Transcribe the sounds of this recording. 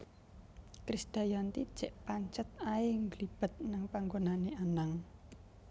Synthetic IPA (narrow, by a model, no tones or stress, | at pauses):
kɾisd̪̥a̤jant̪i̥ʒ̥ɛʔpaɲt͡ʃət̪̚aɪŋɡlib̥ə̤t̪̚naŋpaŋɡonaneanaŋ